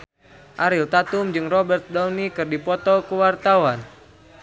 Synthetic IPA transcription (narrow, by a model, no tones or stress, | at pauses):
ʔaɾilt̪at̪umd͡ʒɨŋrɔbɛrt̪̚dɔwnikɨrdipɔt̪ɔkuwart̪awan